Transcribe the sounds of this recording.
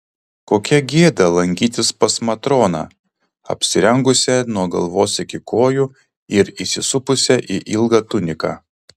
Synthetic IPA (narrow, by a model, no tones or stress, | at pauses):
koːkʲɛɡʲeːd̪ɐlˠɐŋʲɡʲiːt̪ʲɪspɐsmɐt̪ɾoːnɑ̰ː | ɐ̰pʲsʲɪɾʲɛŋɡʊsʲɛnuɔɡɐ̰lˠʋoːsɪkʲɪkoːju | ɪɾisʲɪsʊpʊsʲɛʔiʔɪlˠɡɐːt̪ʊnʲɪkɑː